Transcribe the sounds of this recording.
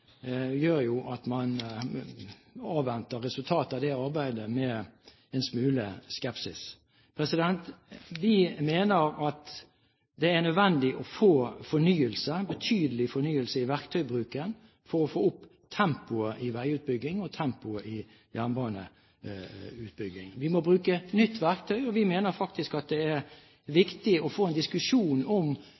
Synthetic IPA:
jøːɾjʊʔɑt̪mɑn | ɑːʋʋɛnt̪əʁɛsʉlt̪ʰɑːt̪ɑʋd̪ɛɑʁbæɪd̪əmɛ | ɛnsmʉːləskɛpsɪs | pʰʁɛsɪd̪ɛnt̪ʋɪmeːnəɾɑt̪ | d̪ɛænœd̪ʋɛnd̪ɪʔɔfoːfɔnyːəlsəbət̪ʰyːd̪əlɪfɔnyːəlsəɪʋæʁkt̪ʰœʏbʁʉːkən | fɔɾɔfoːʊpː | t̪ʰɛmpʊəʔɪʋæɪʉːt̪̚bʏɡːɪŋɔt̪ʰɛmpʊəʔɪ | jæʁnbɑːnə̰ | ʉːt̪̚bʏɡːɪ̰ŋʋɪmɔbʁʉːkənʏt̪ʰːʋæʁk̚t̪ʰœʏɔʋɪmeːnəɾfɑk̚t̪ɪskɑt̪̚d̪ɛæɾ | ʋɪkt̪ɪɔfoːɛnd̪ɪskʉʂuːnɔm

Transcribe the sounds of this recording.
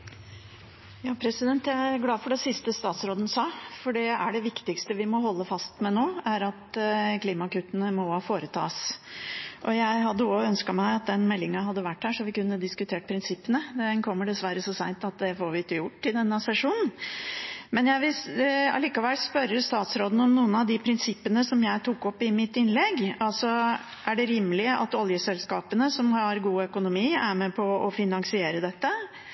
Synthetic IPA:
jɑːpʰɾɛsɪd̪ɛnt̪jæɪæɾɡlɑːfɔɖɛsɪst̪əst̪ɑːt̪sɾoːd̪ən̩sɑːfɔɖɛæɖɛʋɪkt̪ɪkst̪əʋɪmɔɦɔlːəfɑst̪mɛnoːæɾɑt̪kliːmɑkʉt̪ːənəmɔhɑfoːɾət̪ʰɑ̰ːs | ʔɔjæɪɦɑd̪ːəoœnskɑmæɪɑt̪̚d̪ɛnmɛlːɪŋɑɦɑd̪ːəʋæʈːhæːʂɔmʋɪkʉnːəd̪ɪskʉt̪ʰeːʈ̚pʰɾɪnsɪpːənəd̪ɛnkʰɔmːəɖɛsʋæɾəsɔsæɪnt̪ɑt̪̚d̪ɛfoːɾʋɪt̪ːəjʊʈːɪd̪ɛnːɑsɛʂuːnn̩ | mɛnjæɪʋɪlɑ̰liːkɑʋɛlspœɾːəst̪ɑːt̪sɾoːd̪n̩ɔmnuːənɑʋd̪ɪpʰɾɪnsɪpːənəsɔmjæɪt̪ʰukːɔpːɪmɪt̪ːɪnlɛɡɑlsɔ | ʔæɖɛɾiːmːlɪəʔɑ̰t̪ɔljəsɛlskɑːpənəsɔmɑɾɡuːœkʊnʊmiːæɾmɛpʰɔɔfɪnɑŋsɪeːɾəd̪ɛt̪ːə

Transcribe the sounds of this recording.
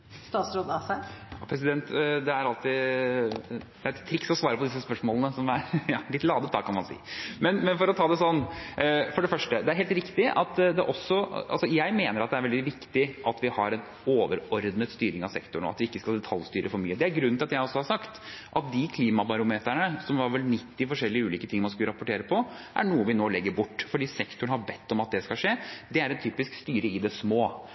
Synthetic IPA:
st̪ɑːt̪sɾoːd̪ɑsæjɑpʰɾɛsɪd̪ɛnt̪d̪ɛæɾɑlt̪ɪ | d̪ɛæɾɛt̪ʰːɾɪksɔsʋɑːɾəpɔd̪ɪs̬əspœʂmoːlənəsɔmæɾjɑːlɪt̪lɑːd̪əp̪ɑːkʰɑnmɑnsḭːmɛnmɛnfɔɾɔt̪ʰɑːd̪ɛsɔnːfɔɖɛfœʂʈəd̪ɛæɾɦeːlt̪ɾɪkt̪ɪʔɑ̰t̪d̪ɛʔɔsːɔʔɑ̰lsɔjæɪmeːnəɾɑt̪̚d̪ɛæɾʋɛld̪ɪʋɪkt̪ɪʔɑt̪ʋɪhɑɾɛn | oːʋəɾɔɾd̪nət̪st̪yːɾɪŋɑʋsɛkt̪ʊɳɔ̰ɑ̰t̪ʋɪɪkːəskɑld̪ɛt̪ʰɑlst̪yːɾʔəfɔɾmyːəd̪ɛæɾɡɾʉnɪlɑt̪jæɪɔsːɔhɑɾsɑkt̪ʔɑt̪̚d̪ɪkʰliːmɑbɑɾʊmeːt̪æɳəsɔmʋɑɾʋɛlnɪt̪ːɪfɔʂɛlːɪəʉːiːkət̪ʰɪŋmɑnskʉləɾɑpʊʈeːɾəpʰɔ | ʔæ̰ɳuːəʋɪnoːlɛɡːəɾbʊʈːfɔɖiːsɛkt̪ʊɳhɑɾbɛt̪ːɔmɑt̪̚d̪ɛskɑlʂeːd̪ɛæɾɛnt̪ʰyːpɪskst̪yːɾəɪd̪ɛsmoː

